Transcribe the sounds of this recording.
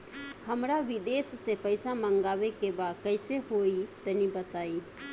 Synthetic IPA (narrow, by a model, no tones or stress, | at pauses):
həmɾaʋid̪esːepəɪsaməŋɡaβekebad̪kəɪseɦoit̪ənibət̪ai